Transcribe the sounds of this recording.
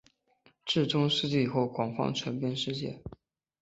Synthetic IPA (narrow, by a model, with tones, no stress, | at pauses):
ʈ͡ʂɻ̩˥˩ʈ͡ʂʊ˥ŋʂɻ̩˥˧t͡ɕi˥˩˨xo˥˩ʊkwɑ˨˩ŋfɑ̰˥ŋʈ͡ʂʰwə˧˥npjɛ˥˧nʂɻ̩˥˧t͡ɕjɛ̰˥˩